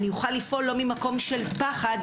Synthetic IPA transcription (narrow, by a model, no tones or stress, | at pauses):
nijuχalːifʔo̞lːo̞mimako̞mʃe̞lpaχad̪